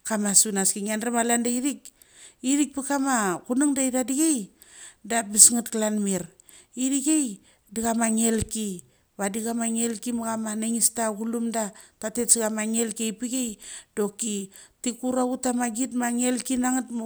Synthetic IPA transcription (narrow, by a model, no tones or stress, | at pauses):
kamasunaskiŋanramalandaiɾik | iɾik̚pikamakunaŋdaidadiɡej | dabisŋatklanmiɾ | idiɡej | diɡamaŋe̞lki | βadiɡamaŋelkimaɡamanaŋistaɡulumdatatetsiɡamaŋelkejpiɡejdo̞kitikuɾautamaɡitmaŋe̞lkinaŋatm